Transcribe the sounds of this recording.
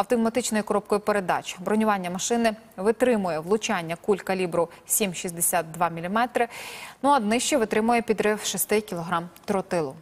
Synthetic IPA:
ɐwt̪ɔmɐt̪ɪt͡ʃnɔjʊkɔɾɔp̚kɔjʊpeɾe̞d̪ɑ̰t͡ʃʲbɾɔnʲʊʋɑnʲːɐmɐʃɪnɪ | ʋɪt̪ɾɪmʊjɛʋlˠʊt͡ʃɑnʲːɐkulʲkɐlʲibɾʊsʲimʃisʲd̪esʲat̪̚d̪ʋɑmʲilʲimɛt̪ɾɪnuɐd̪nɪʃt͡ʃɛʋɪt̪ɾɪmʊjɛpʲid̪ɾɪwʃist̪ɪkʲilˠɔɦɾɑmt̪ɾɔt̪ɪlˠʊ

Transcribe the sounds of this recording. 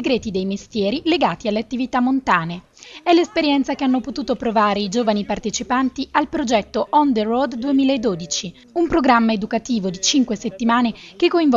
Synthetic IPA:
eɡɾɛːt̪id̪ejmest̪jɛːɾileɡaːt̪ialːeat̪ːivit̪amːont̪aːne | ɛlːespeɾjɛnt̪sakeanːopot̪uːt̪opɾovaːɾeid͡ʒoːvanipart̪et͡ʃipant̪ialpɾod͡ʒɛt̪ːoʔɔnd̪erod̪d̪uemiːlaed̪ːoːd̪it͡ʃi | umpɾoɡɾamːaed̪ukat̪iːvod̪it͡ʃiŋkweset̪ːimaːnekekːoiɱv

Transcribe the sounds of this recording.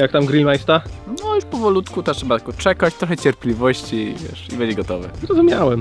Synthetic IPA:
jak̚t̪amɡɾilʲmajst̪anɔjuʂpɔvɔlut̪kut̪ɔtʂɛbat̪akɔt͡ʂɛkat͡ɕt̪ɾɔxɛt͡ɕɛɾpʲlʲivɔɕt͡ɕivʲjɛ̰ʂḭbɛɲd͡ʑɛɡɔt̪ɔvɛ̰zɾɔzumʲjawɛm

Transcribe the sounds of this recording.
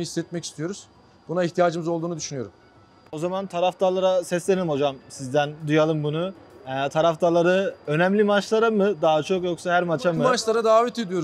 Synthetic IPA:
ɯhisːɛt̪̚mɛci̥st̪ʰijo̞ɾuz̥ | b̥unaiçt̪ʰijaːd͡ʒɯmɯzo̞lˠd̪uːnud̪yʃynyjo̞ɾum | o̞zamant̪ʰaɾaft̪ʰalˠaɾasɛslʲeelʲimho̞d͡ʒamsizd̪ænd̪ujalˠɯmbunuɛt̪ʰaɾaft̪ʰalˠaɾɯø̞nɛmlʲimat͡ʃlˠaɾamɯd̪aɦat͡ʃʰo̞kjo̞ksaɦæɾmat͡ʃʰamɯmat͡ʃlˠaɾad̪aːvɛt̪ed̪ijo̞

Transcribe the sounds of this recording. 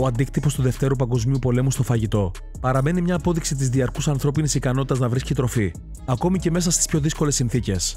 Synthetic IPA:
oɐnd̪ikt̪ipo̞st̪uðe̞ft̪e̞ɾupɐŋɡo̞zmiupo̞le̞must̪o̞fɐʝit̪o̞ | pɐɾɐme̞nimɲɐːpo̞ðiksit̪̬izðiɐɾkusɐnθɾo̞pinisikɐno̞t̪it̪ɐznɐvɾiscit̪ɾo̞fi | ɐko̞mice̞me̞s̬ɐst̪ispço̞ðisko̞le̞sːinθice̞s

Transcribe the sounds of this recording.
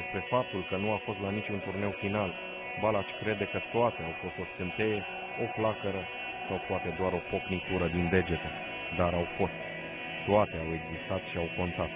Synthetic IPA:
espɾe̞fap̚t̪ulkənuafo̞st̪lanit͡ʃunt̪urne̞wfinal | balat͡ʃʲkɾe̞d̪e̞kət̪oat̪e̞awfo̞st̪o̞st̪̚kɨnt̪e̞je | o̞flakəɾə | sawpoat̪e̞d̪oaɾo̞po̞knik̪uɾəd̪ind̪e̞d͡ʒe̞t̪ə | d̪aɾawfo̞st̪ | t̪oat̪e̞awe̞ɡzist̪at̪ʃiawko̞nt̪at̪

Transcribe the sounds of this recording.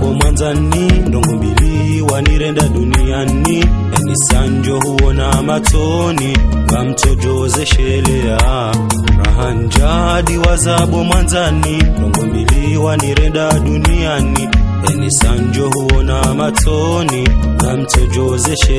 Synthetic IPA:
ɓɔmwanza | nindɔŋɡɔmbili | waniɾɛndaɗunija | ni | ɛnisaɲd͡ʒɔhuɔnamatɔ | ni | ɡam̩tɔd͡ʒɔzɛʃɛlɛja | ɾa̰ɦaɲd͡ʒa | ɗiwazaɓɔmwanzanindɔŋɡɔmbili | waniɾɛndaɗunijani | ɛnisaɲd͡ʒɔhuwɔnamatɔ | niŋɡam̩tɔd͡ʒɔzɛʃɛ

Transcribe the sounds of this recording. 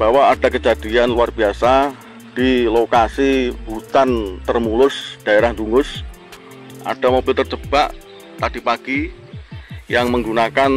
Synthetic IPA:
b̥awaːd̥akəd͡ʒad̥ianluarbiasa | d̥ilokasib̥ut̪ant̪ərmulʊsd̥aeɾahnduŋʊs | ʔa̰d̥amobɪlt̪ərd͡ʒəb̥aʔ | t̪ad̥ipaɡ̥i | jaŋməŋɡunakan

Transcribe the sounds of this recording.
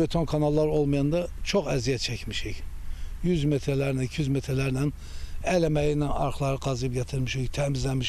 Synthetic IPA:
bet̪ʰo̞nkʰɑnɑlˠːɑɾolˠmɑjɑnd̪ɑt͡ʃʰoχæzijæt̪̚t͡ʃʰæcmiʃicjyzmet̪ʰɾelæɾd̪æcʰyzmet̪ʰɾelæɾd̪æn | ælæmæjinænɑ̰ɾχlˠɑɾɯqɑzɯb̚ɟæt̪ʰiɾmiʃict̪ʰæmizlæmiʃ

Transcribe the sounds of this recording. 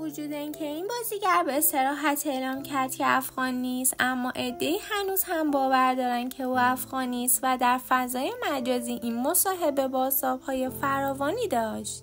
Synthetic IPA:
vod͡ʒuːd̪eincʰe̞inbɒːziɟæɾbese̞ɾɒːɦæt̪ʰe̞ːlɒːmcʰæɾd̪̚cʰeæfɣɒːnːiːst̪ʔæmːɒːʔe̞d̪ːe̞iːhænuːzhæmbɒːvæɾd̪ɒːɾænd̪̥cʰe̞uːæfɣɒːniːst̪væd̪æɾfæzɒːje̞mæd͡ʒɒːziːʔinmo̞sɒːɦe̞be̞bɒːzt̪ɒːb̥hɒːje̞fæɾɒːvɒːniːd̪ɒːʃt̪

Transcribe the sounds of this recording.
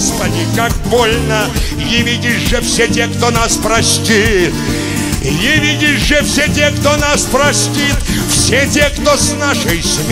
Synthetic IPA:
spɐdʲikak̚bolʲnə | jɪvʲidʲɪʐɨfsʲetʲekt̪onaspɾɐsʲtʲit̪ | jɪvʲidʲɪʐɛfsʲetʲekt̪onaspɾɐsʲtʲit̪ | fsʲetʲekt̪osnaʂəjsʲmʲ

